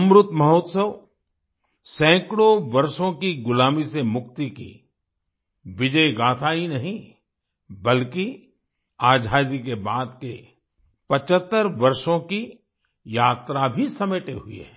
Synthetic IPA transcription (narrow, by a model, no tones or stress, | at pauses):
mɾʊt̪mɐɦoːt̪səʋ | sɛ̃ːkɽoʋɐɾʃõkiɡʊlaːmisemʊk̚t̪ikḭ | ʋɪd͡ʒəjɡaːt̪ʰaːinɐɦĩ | bɐlki | aːd͡ʒʱaːd̪ikebaːd̪ke | pɐt͡ʃət̪ːəɾʋɐɾʃõki | jaːt̪ɾabʱisɐmeːʈeɦʊḛ